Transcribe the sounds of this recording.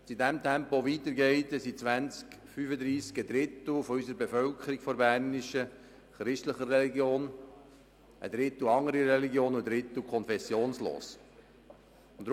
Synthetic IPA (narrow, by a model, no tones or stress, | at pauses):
sidæmt̪ʰæmpoʋiːt̪əɾɡɛɪt̪ɛsit͡sʋænt͡sk | fyfəd̪ɾiːskəd̪ɾɪt̪l̩fɔysəɾbefœlkʰəɾikfɔɾbæɾnɪʃə | χɾɪʃtləχərɛliɡjoːn | ʔə̰d̪ɾɪt̪l̩ɑŋːəɾiɾɛliɡjoːnʊdɾɪt̪lkʰɔnfɛsjoːnslo̰ːs | ʊnd